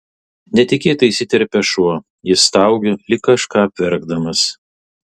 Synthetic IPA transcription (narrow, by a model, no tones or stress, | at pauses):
nʲɛt̪ʲɪkʲeːt̪ɐɪsʲɪt̪ʲɛɾʲpʲɛʃuɔ | jɪst̪ɑˑʊɡʲolʲɪkːɐʃkɑːpʲʋʲɛɾɡd̪ɐmɐs